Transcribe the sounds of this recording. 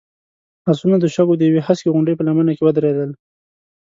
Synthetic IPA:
hasunad̪əʃaɡod̪əjawehaskeɣʊɳɖəjpəlamənakewəd̪ɾed̪əl

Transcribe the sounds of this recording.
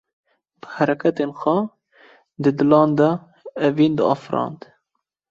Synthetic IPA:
b̥əhæɾɛkʰɛt̪eːnxʷɛ | d̪ɨd̪ɨlɑːnd̪ɛ | ɛviːnd̪ɨɑ̰ːfɾɑ̰ːnd̪

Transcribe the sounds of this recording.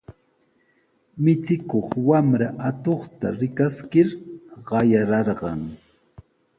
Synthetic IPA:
mɪt͡sɪkoχwamɾaʔat̪oχt̪a̰ɾɪkaskɪɾɢɑjaɾɑɾɢɑŋ

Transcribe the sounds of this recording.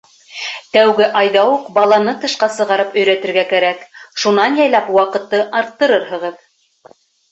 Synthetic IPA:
t̪æwɡɘʔɑjðɑwuqbɑlˠɑnɤt̪ɤ̆ʃqɑsɤ̆ʁɑɾɤpɵ̆jɾæt̪ɘ̆ɾɡækæɾækʃunɑnjɑjlɑpwɑqɤ̆t̪ːɤʔɑɾt̪ːɤ̆ɾɤɾɦɤ̆ʁɤð

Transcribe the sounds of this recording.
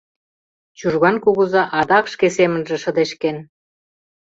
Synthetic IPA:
t͡ɕurɣɑnkuɣuzɑʔɑd̪ɑkʃkesemə̆nʒĕʃɤ̆d̪eʃken

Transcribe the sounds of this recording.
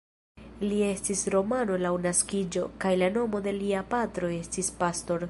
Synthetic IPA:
lie̞stisɾo̞mano̞lawnaskid͡ʒo̞kajlano̞mo̞de̞liapatɾo̞e̞stispasto̞ɾ

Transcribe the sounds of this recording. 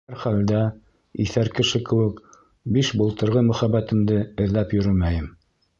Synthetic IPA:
æɾχæld̪æ | iθæɾkɘ̆ʃɘkɘ̆wɘ̆k | biʃbŭlˠt̪ɤ̆ɾʁɤmɵ̆χæβæt̪ɘ̆md̪ɘɘ̆ðlæpjɵ̆ɾɵmæjɘm

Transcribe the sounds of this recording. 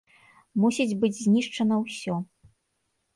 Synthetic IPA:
musʲid͡zʲbɨd͡zʲzʲnʲiʂt͡ʂɐnɐwsʲɔ

